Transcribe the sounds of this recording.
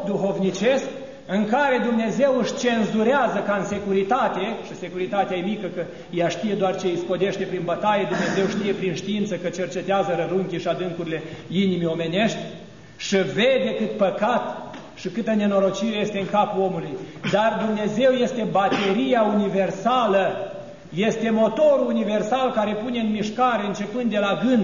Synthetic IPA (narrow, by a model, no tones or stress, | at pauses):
d̪uɦo̞vnit͡ʃe̞sk | ɨŋkaɾe̞d̪umne̞ze̞wɨʃt͡ʃe̞nzuɾeazəkaɨnse̞kuɾit̪at̪eʃise̞kuɾit̪at̪eajemikəkə | jaʃt̪ije̞d̪oart͡ʃeispo̞d̪e̞ʃt̪e̞pɾinbət̪ajed̪umne̞ze̞wʃt̪ije̞pɾinʃt̪iint̪səkət͡ʃe̞rt͡ʃe̞t̪eazəɾəɾuŋkʲiʃiad̪ɨŋkuɾile̞inimio̞me̞ne̞ʃt̪ʲ | ʃive̞d̪e̞kɨt̪pəkat̪ | ʃikɨt̪əne̞no̞ɾo̞t͡ʃiɾeje̞st̪e̞ɨŋkapuo̞mulujd̪ard̪umne̞ze̞wje̞st̪e̞bat̪e̞ɾijaunive̞rsalə | je̞st̪e̞mo̞t̪o̞ɾuːnive̞rsalkaɾe̞pune̞ɨnmiʃkaɾe̞ɨnt͡ʃe̞pɨnd̪ːe̞laɡɨnd̪